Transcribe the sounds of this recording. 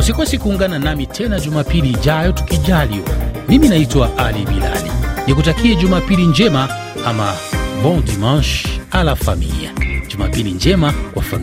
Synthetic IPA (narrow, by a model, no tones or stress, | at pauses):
usikwɛsikuːŋɡananamitʰɛnad͡ʒumapilid͡ʒajɔtu̥kid͡ʒaliwamiminaitwaʔalibila̰lḭnikutakiɛd͡ʒumapiliɲd͡ʒɛma | amabɔndiman̩ʃalafamḭlḭa̰d͡ʒuma̰piliɲd͡ʒɛmakwafam